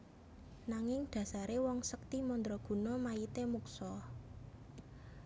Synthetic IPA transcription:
naŋɪŋd̪̥ä̤saɾewɔŋsək̚t̪imɔnd̪ɾɔɡ̥ṳnɔmait̪emuksɔ

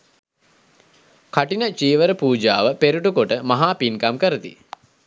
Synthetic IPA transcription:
kʰaʈinət͡ʃiːʋəɾəpuːd͡ʒaːʋəpeɾuʈukoʈəmaɦaːpinkamkəɾət̪ḭ

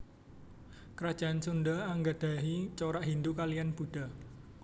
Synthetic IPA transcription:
kəɾad̥d͡ʒ̥a̤ʔansund̪aaŋɡad̪̥aɦit͡ʃoɾaʔɦind̪ukalijanb̥ṳd̥a̤

